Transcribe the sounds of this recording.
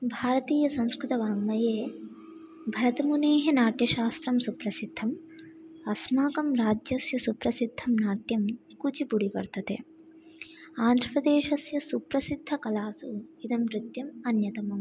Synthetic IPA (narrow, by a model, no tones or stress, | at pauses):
bʱaːɾɐt̪iːjɐsɐ̃ŋ̃skɾɪt̪ɐʋaːmːɐjeː | bʱɐɾɐt̪ɐmuneːɦɐnaːʈjɐʃaːst̪ɾɐmsupɾɐsid̪ʱːɐm | ɐsmaːkɐmɾaːd͡ʒjɐsjɐsupɾɐsid̪ʱːɐmnaːʈjɐm | kut͡ʃipuɽipɐ̰ɾt̪ɐt̪e | aːnd̪ʱɾɐpɾɐd̪eːʃɐsjɐsupɾɐsid̪ʱːɐkɐlaːsuid̪ɐmɾɪt̪jɐmɐnjɐt̪ɐmɐm